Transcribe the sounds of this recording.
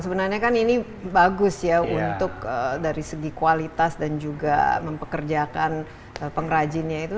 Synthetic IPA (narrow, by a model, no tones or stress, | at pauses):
səbənarɲakanini | baɡʊsjaunt̪ʊk̚ədaɾisəɡikualit̪asdand͡ʒuɡa̰məmpəkərd͡ʒakan | əpəŋɾad͡ʒɪnɲait̪u